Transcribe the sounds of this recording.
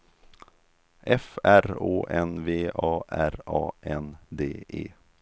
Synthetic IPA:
ʔɛfæɾoːʔɛnveːʔɑːʔæɾɑːʔɛnd̪eːʔḛː

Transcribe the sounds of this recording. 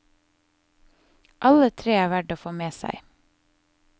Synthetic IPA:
ʔɑlət̪ʰɾeːæːʋæɖoːfoːmeːsæ̰ɪ

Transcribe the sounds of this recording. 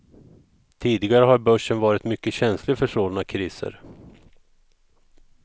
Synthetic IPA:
t̪ʰiːd̪ɪɡaɾəɦaɾbœʂənvɑːɾɪt̪mʏkːəɕɛnslɪɡfœʂoːlnakʰɾiːsə̰ɾ

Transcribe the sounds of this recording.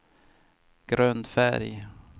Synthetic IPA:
ɡ̥ɾœnd̪fæɾj

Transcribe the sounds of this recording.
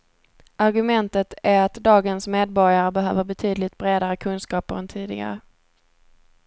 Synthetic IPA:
aɾɡɵmɛnt̪ət̪ʰæɾat̪d̪ɑːɡənsmeːd̪̚bɔɾjaɾəbɛɦø̰ːvəɾbɛt̪ʰyːd̪lɪt̪̚bɾeːd̪aɾəkʰɵnskɑːpəɾɛnt̪ʰiːd̪ɪɡa̰ɾə

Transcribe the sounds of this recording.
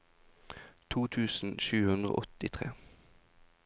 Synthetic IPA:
t̪ʰuːt̪ʰʉːsn̩ʃʉːhʉnd̪ʁo̰ːʔɔt̪ɪt̪ʰʁeː

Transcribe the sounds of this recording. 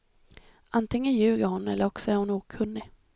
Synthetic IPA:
ʔant̪ɪŋːənjʉ̟ːɡaɾhʊnɛlːəɾɔksɔæɾhʊnuːkʰɵnːɪ

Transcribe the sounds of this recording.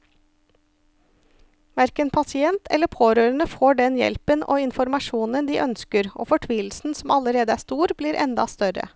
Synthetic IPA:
ʋæɾkənpʰɑsɪɛnt̪ʰɛ̰ləpʰoːɾøːɾənəfoːɖɛnjɛ̰lpənʔo̰ːɪnfɔɾmɑʃuːnənd̪iːʔœnskəɾʔo̰ːfɔʈʰʋiːlsn̩sɔmɑləɾeːd̪əæːst̪uːɾbliːɾʔɛ̰nd̪ɑ̰st̪œɾə̰

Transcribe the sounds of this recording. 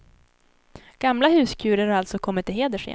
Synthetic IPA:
ɡ̥amlaɦʉ̟ːskʰʉ̟ːɾəɾaɾalt̪sɔkʰɔmːɪt̪ːɪɦeːd̪əʂɛ̰

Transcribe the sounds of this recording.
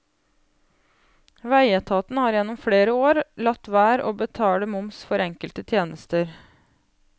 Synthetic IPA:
ʋæɪət̪ʰɑːt̪n̩hɑːɾjɛnːɔmfɽeːɾəoːɾlɑt̪ʋæːɾo̰ːbət̪ʰɑːɽəmʊmsfɔɾɛŋkəlt̪ət̪ʰjeːnəst̪əɾ

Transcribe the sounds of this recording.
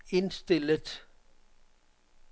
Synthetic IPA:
ensd̪̥ɪləd

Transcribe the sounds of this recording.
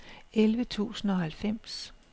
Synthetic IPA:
elʋət͡sʰṵːsn̩ɒ̽hælfem̰s

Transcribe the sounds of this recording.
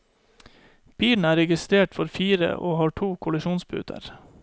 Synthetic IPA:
b̥iːln̩æːɾɛɡɪst̪ɾeːʈfɔɾfiːɾə̰ʔoːhɑːʈʰuːkʰʊlɪʃuːnsbʉ̰ːt̪ʰə̰ɾ

